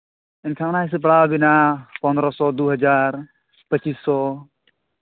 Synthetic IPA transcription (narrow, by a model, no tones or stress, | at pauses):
inkʰaŋnaɦis̬ip̬ɽawbinapɔnd̪ɾɔsɔd̪uɦəd͡ʒaɾ | pət͡ʃisːɔ